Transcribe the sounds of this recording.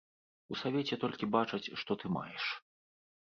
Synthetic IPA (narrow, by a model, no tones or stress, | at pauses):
usavʲet͡sʲɛt̪ɔlʲkʲibat͡ʂɐt͡sʲʂt̪ɔt̪ɨma̰jɛʂ